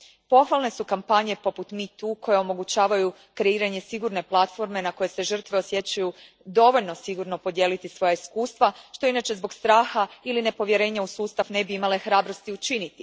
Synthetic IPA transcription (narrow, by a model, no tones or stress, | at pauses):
po̞xʋalˠne̞sukampaɲe̞po̞put̪mit̪uːkʰo̞jeo̞mo̞ɡut͡ɕaːʋaju | kɾe̞iːɾaɲe̞siɡuɾne̞plˠat̪fo̞ɾme̞nako̞je̞se̞ʒər̩t̪ʋe̞o̞sje̞t͡ɕaju | d̪o̞ʋo̞ʎno̞siɡuɾno̞po̞d̪je̞ːlit̪isʋo̞jaiskuːst̪ʋaʃt̪o̞inat͡ɕe̞zbo̞ɡst̪ɾaːxailine̞po̞ʋje̞ɾe̞ːɲausuːst̪afne̞biimale̞xɾaːbɾo̞st̪iut͡ʃinit̪i